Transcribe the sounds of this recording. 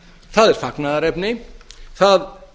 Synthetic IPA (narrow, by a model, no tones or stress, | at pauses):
θaːðɛɾfaknaðɾɛpnɪθað